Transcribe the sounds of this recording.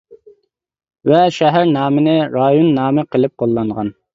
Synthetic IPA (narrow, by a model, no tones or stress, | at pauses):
vɛʃɛɦæɾnɑːmɪnɪɾɑjonːɑːmɨqʰəlˠɪp̚qʰolˠːɑɴʁɑn